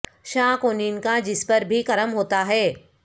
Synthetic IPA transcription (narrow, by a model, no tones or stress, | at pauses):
ʃãːkoːninɪ̆kãd͡ʑɪspɐɾbʱikɐɾəmɦoːt̪aɦɛː